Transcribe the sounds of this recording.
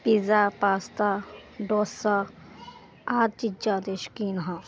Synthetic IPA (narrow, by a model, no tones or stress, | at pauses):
pizapaːst̪aɖoːsa | aːd̪̚t͡ʃid͡ʒaːd̪eʃkiːnɦã